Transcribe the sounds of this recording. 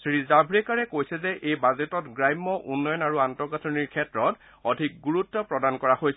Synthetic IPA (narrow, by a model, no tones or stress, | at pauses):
sɹizabʱɹɛkaɹɛkojsɛzɛʔejbazetɔtɡɹajmːɔʔunːɔjɔnaɹuantɔkatʰɔniɹkʰɛtɹɔt | ɔdʱik̚ɡuɹutːɔpɹɔdankɔɹahojsɛ